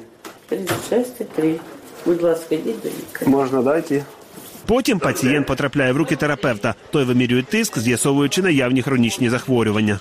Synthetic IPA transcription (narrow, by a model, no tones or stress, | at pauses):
t̪ɾʲɪɪʃɛsʲt̪ɪt̪ɾɪbʊd̪ʲlˠɑskɐdʲitʲd̪ɐ̰lʲḭkɐmɔʒnɐd̪ɑjtʲɪ | pɔtʲimpɐt͡sʲijɛnt̪pɔt̪ɾɐplʲajɛwɾukʲɪt̪eɾɐpɛwt̪ɐt̪ɔjʋɪmʲiɾʲʊjɛt̪ːɪskzʲjɐsɔʋʊjʊt͡ʃɪnɐjawnʲixɾɔnʲit͡ʃnʲizɐxʋɔɾʲʊʋɐnʲːɐ